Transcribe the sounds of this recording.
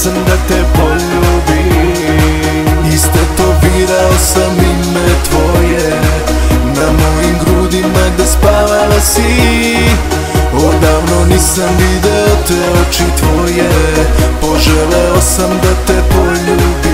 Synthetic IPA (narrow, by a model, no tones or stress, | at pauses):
samd̪at̪ɛpoʎuːbi | ist̪ot̪obiɾaosamimɛt̪ʋoje | namojimɡɾud̪imaɡd̪aspaːʋalasi | od̪aːʋnoniːsamʋid̪ɛot̪ʋɛot͡ʃit̪ʋojepo̞ʒɛlɛosamd̪at̪ɛpoʎubi